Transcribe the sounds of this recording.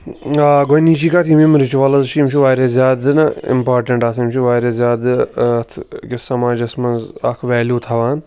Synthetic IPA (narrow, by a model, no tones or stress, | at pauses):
aɡoniːt͡ʃiːkat̪ʰimimɾɪt͡ʃuʋaːlɐzt͡ʃʰiimt͡ʃʰiʋaːɾʲezjaːd̪ɨnɐɪ̰mpaːɾʈɐɳʈaːsimt͡ʃʰiʋaːɾʲezʲjaːd̪ɐt̪ʰkʲɪssɐmaːd͡ʒɐsmɐnzakʰʋɛːljuːt̪ʰɐʋaːn